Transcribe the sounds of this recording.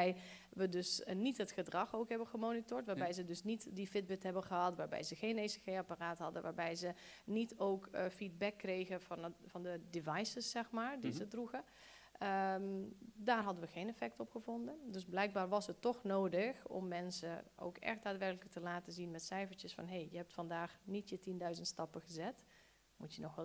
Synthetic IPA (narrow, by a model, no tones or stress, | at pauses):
ɛj | ʋədɵsnitɦətxədrɑxowkɦɛbənɣəmoːnitʊːɹtʋaːɹbɛjzədɵsnitdifɪd̚bɛtɦɛbənɣəɦɑtʋaːɹbɛ̰jzəxejnesəxejaparaːtɦɑdənʋaːɹbɛjzənitʰowkfid̚bɛkːrejɣəfnvɑndədevɑjsəsːɛxmaːɹdizədruɣə | əmdaːrɦɑdənʋəxeːnɛfɛk̚tɔpxəvɔndəndøzblɛjk̚baːrʋɑsətːɔxnoːdəxɔ̰mːɛnsəʔo̰wkɛ̰xt̚d̥aːtʋɛrkləkətəlaːtəzinmɛtsɛjfəɹt͡ʃjəsfɑ̰nɦejjəɦɛp̚tfɑndaːxnitjətindœɥzəntstɑpəɣəzɛt | mutjənɔxɛl